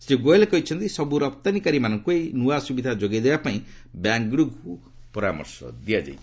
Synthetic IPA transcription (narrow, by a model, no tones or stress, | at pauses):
sɾiɡoelekɔɦit͡ʃʰɔnt̪isɔbuɾɔp̚t̪anikaɾimanɔŋkuejnuasubid̪ʱad͡ʒoɡed̪ebapaĩbjaŋɡɽuɡku | pɔɾamɔ̰ɾsɔ̰d̪iad͡ʒa̰jʰ